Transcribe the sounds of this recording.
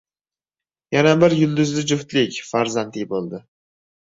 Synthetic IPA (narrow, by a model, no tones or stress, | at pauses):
janabɪɾjʊlˠd̪ʊzlɪd͡ʒʊht̪lɪkʲfaɾzant̪ʰɪbolˠd̪ɪ